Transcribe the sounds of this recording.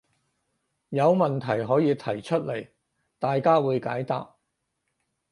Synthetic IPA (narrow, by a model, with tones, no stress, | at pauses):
jɐ˨˧wmɐ˨nt̪ʰɐ˨˩jɦɔː˨˥jiː˨˧t̪ʰɐ˨˩jt͡ʃʰɵ˥t̚le˨˩j | t̪aː˨jkaː˥wuː˨˧jkaː˨˥jt̪a̰ː˨p̚